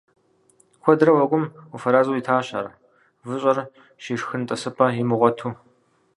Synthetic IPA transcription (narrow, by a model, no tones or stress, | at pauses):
kʷʰɔdɾɐwɐɡʷʼʊmufɐɾaːzuːjitʰaːɕa̰ːr | vɨɕʼɐr | ʃiːʂxɨntʼɐsɨpʰɐjimɨʁʷɔtʰuː